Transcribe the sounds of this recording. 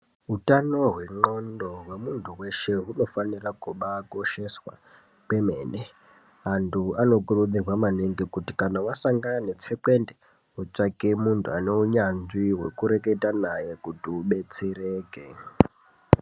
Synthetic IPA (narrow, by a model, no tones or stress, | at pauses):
ɦutanoɦwe̞ŋ͡ǃondoɦwemuntʰuweʃe̞ɦuno̞fanirakuɓakoʃeswa̰ | pemḛːne | antʰuano̞kuruɗirwamaneŋɡikutikanawasaŋɡaanet͡sʰekwende | ɦut͡ʂakemuntʰuaneuɲand͡ziwḛkuɾeketanajekutuɓet͡sereːkḛ